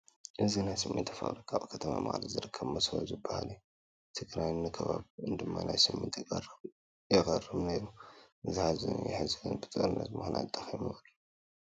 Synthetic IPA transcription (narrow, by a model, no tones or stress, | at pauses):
ʔɨzinajsɨmʔɨ̰nt̪ʰɐfɐ̰ʔlikʰaβkʰɐt̪ʰɐma̰maxʼlizɨɾɨkʰːɐβmɐsɐβɐ̰zɨbːɐha̰l | t̪ʰɨɡɾajnɨkʰɐβaβɨnd̪ɨmːanajsɨmːɨnt̪ʰ | jɐɣɐrɨβneɾuʔɨzɨħazɨjɪ̰ħɨzɨɡɨnbɨt̪ʼɐɾɨnɐ̰t̪mɨxnʔa̰t̪ʼːɐximɨlːu